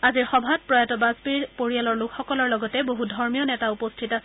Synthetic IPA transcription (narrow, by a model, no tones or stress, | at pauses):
aziɹxɔbʱat̚pɹɔjatɔbazpiɹpoɹijalɔɹlʊkʰxɔkɔlɔɹlɔɡɔtɛboɦudʱɔɹmijɔnɛtaupostʰitas